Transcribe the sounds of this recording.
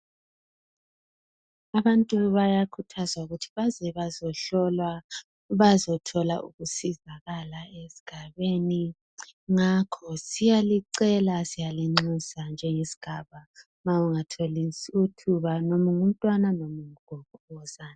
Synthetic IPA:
aβantʼuβajakʰutʰazauɣutʰi̥βazɛβazɔɬɔlwa | βazɔtʰɔla̰ʔṵɣusizaɣalaesi̥ɡ̥ʱaβeni | ŋakʰɔsijaliǀɛlasijaliŋ͡ǀusand͡ʒʱɛŋesi̥ɡ̥ʱaβa | mauŋatʰolisiutʰuβanomuŋum̩tʼwananomuŋ̩ɡ̥ʱɔβɔwɔz̥aːna

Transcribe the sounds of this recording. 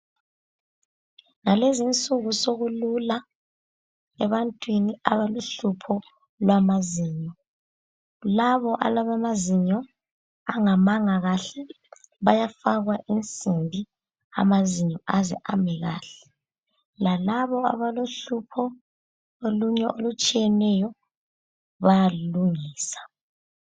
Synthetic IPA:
ŋalezint͡sʼuɣusoɣulula | ɛβantʼwiniaβaloɬupʰɔ | lwamaziːɲɔ | laβɔʔa̰laβamaziɲɔ | aŋamaŋaɣaɬɛ | βajafaɣwaʔint͡sʼimbʱi | a̰maziɲɔʔazɛ̰ʔamɛɣa̰ːɬɛ̥ | lalaβɔa̰βaloɬupʰɔ | oluɲɛʔolut͡ʃʼijɛnɛjɔ | βajaluŋiːsḁ

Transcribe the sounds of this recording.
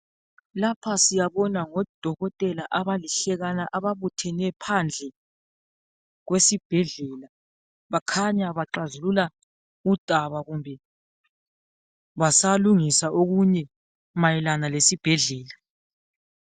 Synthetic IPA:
lapʰasijaβɔnaŋɔd̥ʱɔɣɔtʼɛlaʔaβaliɬɛɣanaʔaβaβutʰɛnɛpʰand͡ɮʱɛ | ɣwesib̥ʱɛɮɛla | βakʰaɲaβaǁazulula | ud̥ʱaβaɣumbʱɛ | βasaluŋisaʔoɣuɲɛ | majɛlanalesib̥ʱɛɮɛːla

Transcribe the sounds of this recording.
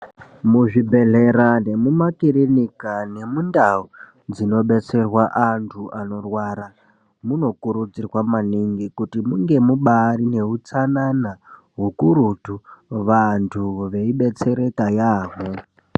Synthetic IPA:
muʐibʱe̞ɮe̞ɾane̞mumakiɾinikane̞mundau | d͡zino̞ɓe̞t͡se̞rwaʔantʰuʔano̞rwaɾa | muno̞kuɾud͡zirwamaniŋɡikutimuŋɡe̞muɓaɾine̞ɦut͡sanana | ɦukuɾutuʋantʰuʋe̞iɓe̞t͡se̞ɾe̞tajaːɦo

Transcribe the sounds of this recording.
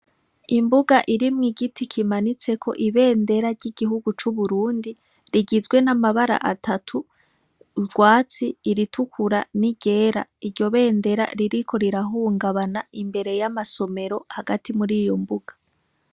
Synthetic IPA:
imbuɡaʔiɾimŋiɡitikʰimanit͡se̞kʰo̞̰ʔiβe̞ːnde̞ɾaɾɟiɡ̥iɦuɡut͡ʃuβuɾuːndi | ɾiɡizɡwe̞namaβaɾa̰ʔatʰatʰu | ɡwaːt͡siːɾitʰukʰuɾa̰niɟe̞ːɾa̰iɾɟo̞βe̞ːnde̞ɾa̰ɾiɾikʰo̞ɾiɾaɦuːŋɡaβanaimbe̞ɾe̞jamaso̞me̞ɾo̞haɡatimuɾijo̞mbuɡ̥ḁ

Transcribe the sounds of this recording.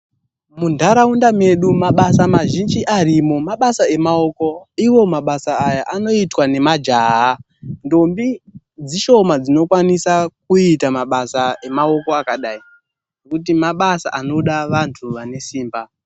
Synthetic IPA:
mundʱaɾaundame̞ɗumaɓasamaʒind͡ʒiʔarimo̞maɓasae̞mao̞ko̞iwo̞maɓasaːjaʔano̞itwane̞mad͡ʒaɦa | ndo̞mbi | d͡ziʃo̞mad͡zino̞kwanisak̚uitamaɓasae̞mao̞ko̞akaɗai | nokut̬imaɓasa̰ʔano̞ɗaʋantʰuʋane̞siːmba

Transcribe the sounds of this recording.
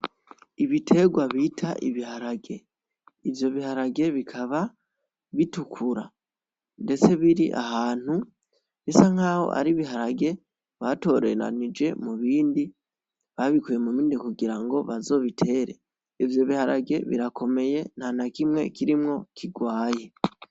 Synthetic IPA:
iβitʰe̞ɡwaβitʰaʔḭβiɦaɾaɡe̞ | ivjo̞βihaɾaɡe̞βikʰaβa | βitukʰuɾa̰ | nde̞t͡se̞βiɾḭʔa̰ɦaːn̥hu | βisaŋ̥aːho̞̰ʔa̰ɾiβiɦaɾaɡe̞ | βato̞ɾe̞̰ɾa̰nid͡ʒe̞̰muβiːndi | βaβikuje̞muβiːndikuɡiɾaŋɡo̞βazo̞βitʰe̞ːɾe̞ | ivjo̞βihaɾaɡe̞βḭɾako̞me̞je̞n̥hanakimŋe̞̰kiɾimŋo̞kʰiɡwaːje̞

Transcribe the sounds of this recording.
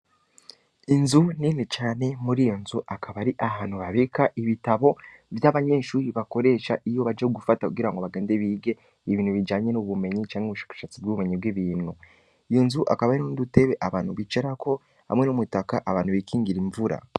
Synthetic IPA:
inzuninit͡ʃaːne̞muɾiːjo̞nzuʔakʰaβaɾiʔaɦaːn̥huβaβikaʔiβitaβo̞vjaβaɲe̞ːʃuːɾiβako̞ɾe̞ːʃaʔijo̞βad͡ʒeɡufatakuɡiɾaŋɡoβaɡe̞ːndeβiːɡe̞ | iβiːn̥huβid͡ʒaːɲe̞nuβume̞ɲit͡ʃaːŋheuβuʃḁːkḁʃat͡sib̚ɡuβume̞ɲibɡwiβiːnu | ijo̞nzuʔa̰kaβaɾinnudute̞βe̞ʔaβaːnhuβit͡ʃeɾakʰo̞ | ha̰mŋe̞numutakaʔaβaːn̥huβikʰiːŋɡiɾiɱvuɾa̰

